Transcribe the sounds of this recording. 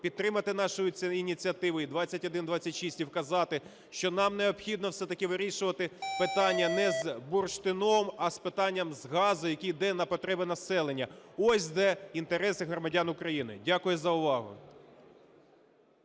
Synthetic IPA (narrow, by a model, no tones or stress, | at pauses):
pʲid̪t̪ɾɪmɐt̪ɪnɑʃʊjʊinʲit͡sʲiɐt̪ɪʋʊid̪ʋɑt͡sʲːɐtʲɔd̪ɪnd̪ʋɑt͡sʲːɐtʲʃisʲtʲiwkɐzɑt̪ɪ | ʃt͡ʃɔnɑmneɔpxʲid̪nɔwsɛt̪ɐkɪʋɪɾʲiʃʊʋɐt̪ɪpɪt̪ɑnʲːɐnɛzburʃt̪ɪnɔmɐspɪt̪ɑnʲːɐmzɦɑzʊjɐkʲijd̪ɛnɐpɔt̪ɾɛbɪnɐsɛlˠenʲːɐɔsʲd̪ɛint̪eɾɛsɪɦɾɔmɐdʲanʊkɾɐjinɪ̰dʲakʊjʊzɐʊʋɑɦʊ̰